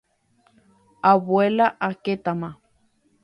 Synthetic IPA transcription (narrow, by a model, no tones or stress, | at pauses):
aβwelaʔaket̪ama